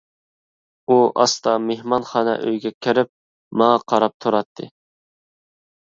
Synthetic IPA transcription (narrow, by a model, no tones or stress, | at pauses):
uʔɑ̰st̪ɑmehmɑnχɑːnɛ̰ʔø̰jɡʲɛkʲʰɪɾɪp̚ | mɑŋɑqʰɑɾɑp̚t̪ʰuɾɑt̪ʰːɨ̰